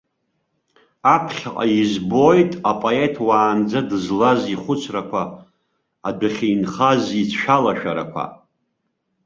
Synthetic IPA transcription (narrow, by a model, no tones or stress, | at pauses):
apʰχʲaqʼa̰izbo̞jtʼapʼoe̞tʰwaːnd͡zadɨzlaziχʷʊt͡sʷʰrakʷʰaː | dɨχʲejnχazit͡sʰʃᶣalaʃᶣaɾa̰kʷʰa̰